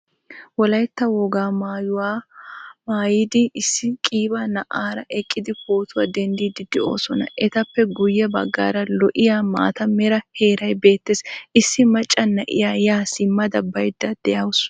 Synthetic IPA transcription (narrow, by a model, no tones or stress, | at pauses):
wɔlɐjt̪ːɐwɔɡaːmːjʊa | maːjɪd̪ɪɪsːɪkʼiːbɐnɐʔaːɾɐʔɛkʼːɪd̪ɪpoːt̪ʊwaːd̪ɛnd̪iːd̪ɪd̪ɛo̞ːsɔnɐ̰ʔɛt̪ɐpːɛɡʊjːɛbɐɡːa̰ːɾɐlɔʔɪjaːma̰ːt̪ɐmɛɾɐhe̞ːɾɐjbe̞ːt̪ːeːsɪsːɪmɐt͡ʃʼːɐnːɐʔɪ̰jaːjaːsɪmːɐd̪ɐbɐjd̪ːɐd̪̥ɛjɐwʊs